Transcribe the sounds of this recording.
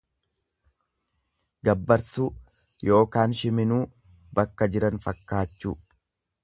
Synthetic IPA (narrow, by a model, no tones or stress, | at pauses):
ɡɐbːɐɾsuː | jo̞ːkaːnʃɪmɪnuː | bɐkːɐd͡ʒɪɾɐnfɐkːaːt͡ʃːṵː